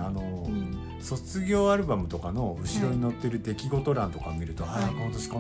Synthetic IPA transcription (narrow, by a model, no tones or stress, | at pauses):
ano̞ | so̞t͡sɨɡʲo̞ːaɾɯ̟bamɯ̟t̪o̞kano̞ɯ̟ɕiɾo̞ɲ̟ino̞t̪ːe̞ɾɯ̟d̪e̞kʲiɡo̞t̪o̞ɾãnt̪o̞kamʲiɾɯ̟t̪okot̪oɕi̥ko